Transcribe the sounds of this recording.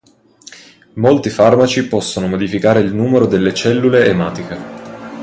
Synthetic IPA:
molt̪ifarmat͡ʃipɔsːonomod̪ifikaːɾeilnuːmeɾod̪elːet͡ʃɛlːuleːmaːt̪ike

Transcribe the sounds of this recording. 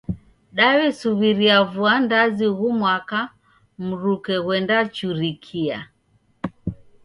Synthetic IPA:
ɗaβɛsuβiɾiavuandaziɣumwaka | m̩ɾukɛɣwɛndat͡ʃuɾikʰia̰

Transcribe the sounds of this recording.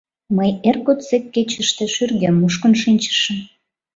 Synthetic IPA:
məjerkot̪t͡sekːet͡ɕə̆ʃt̪ĕʃyrɣemːuʃkə̆nʃinʲt͡ɕə̥ʃə̆m

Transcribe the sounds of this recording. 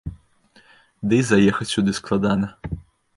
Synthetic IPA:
d̪ɪjzɐjɛxɐt͡sʲsʲud̪ɪsklˠad̪anɐ

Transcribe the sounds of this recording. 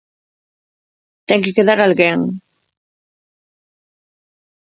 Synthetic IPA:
t̪ɛŋkekeðaɾalɣeŋ

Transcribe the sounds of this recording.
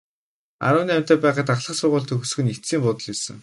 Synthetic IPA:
a̰ɾʊːniːæm̥ʲt̪æːpæːʁaːt̪aχɮə̆χsʊrʁʊːɮt̪ʰɵ̆xɵsxɘ̆nit̪siːmpʊt̪ə̆ɮjisə̆ŋ

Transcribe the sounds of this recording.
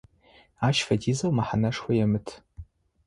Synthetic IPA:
aːʃfɐdiːzɐwmaħanɐʂxʷɐjɛmɨtʰ

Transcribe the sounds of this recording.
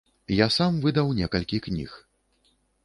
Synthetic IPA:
jasamvɨd̪ɐwnʲɛkɐlʲkʲiknʲḭx

